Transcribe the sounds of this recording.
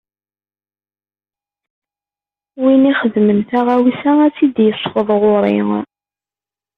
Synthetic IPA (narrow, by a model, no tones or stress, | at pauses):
winiχəðmənθæʁæwisææt͡sːid̪jəsˤːfəðˤʁʊɾˤḭŋ